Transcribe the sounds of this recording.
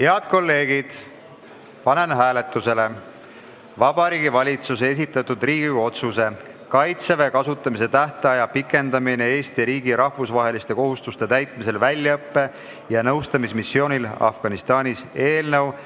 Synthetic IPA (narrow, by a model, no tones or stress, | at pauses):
he̞ɑd̪̥̚ko̞lːe̞ːɡid̪̥ | pɑne̞nɦæːle̞t̪ːˑuse̞le̞ | vɑb̥ɑɾiːɡ̥ivɑlʲit̪susee̞s̬it̪ːˑɑt̪ːˑud̪riːɡ̥iɡo̞t̪suse̞kɑjt̪sevekɑsut̪ːˑɑmise̞t̪æht̪ɑjɑpikːˑe̞nd̪̥ɑminee̞ːst̪iɾiːɡ̥iɾɑhvusvɑɦe̞list̪e̞ko̞ɦust̪ust̪e̞t̪æjt̪ˑmise̞lvælʲjɑɤpːe̞ | jɑnɤwst̪ɑmismisːjo̞ːnʲilɑ̰fɡ̥ɑnist̪ɑːnʲise̞ːlnɤw